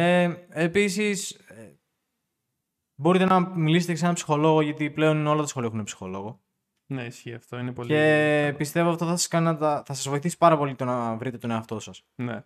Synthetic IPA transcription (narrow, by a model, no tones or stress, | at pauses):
eepisise | bo̞ɾit̪e̞nɐmiliset̪eseɐpsi̥xo̞lo̞ɣoʝɐt̪iple̞o̞nineolɐt̪ɐsxo̞lioxunepsi̥xo̞̰lo̞ɣo̞ | neisçiɐft̪oinepole̞pist̪e̞voɐft̪oθɐsɐ̥skɐninɐt̪ɐθɐsɐzvo̞iθisi̥pɐɾɐpo̞lit̪o̞nɐvɾit̪e̞t̪o̞ne̞ɐft̪o̞sɐsnḛ